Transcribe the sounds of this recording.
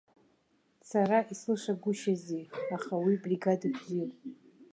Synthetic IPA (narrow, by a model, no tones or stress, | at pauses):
t͡sʰaɾaislʂaɡʷʊʃaziaχawibriɡadakʷʰzirʼ